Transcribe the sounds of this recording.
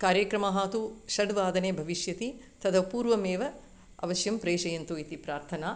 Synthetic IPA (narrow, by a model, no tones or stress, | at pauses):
kaːɾjɐkɾɐmɐɦaːt̪uʃɐɖʋaːd̪ɐneːbʱɐʋiʃjɐt̪i | t̪ɐd̪ɐpuːɾʋɐmeːʋɐ | ɐ̰ʋɐʃjɐmpɾeːʃɐjɐnt̪uit̪ipɾaːɾt̪ʰɐnaː